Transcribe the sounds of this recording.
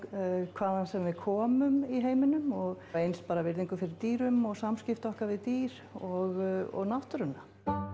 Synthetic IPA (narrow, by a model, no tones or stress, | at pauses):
kʰvaːðansɛmvɪðkʰɔːmʏmiɦeːjmɪnʏmɔɣ | ejnspaːɾavɪɾðiŋkʏfɪɾɪɾt̪iːɾʏmɔɣsamscɪft̪ɔhkavɪðt̪iːɾ̥ɔɣɔ̰ɣnaht̪ʏɾʏnːa